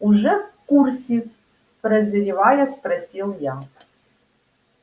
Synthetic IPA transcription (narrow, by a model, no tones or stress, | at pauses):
uʐɛfkursʲi | pɾɐzʲɐɾʲivajaspɾɐsʲilˠja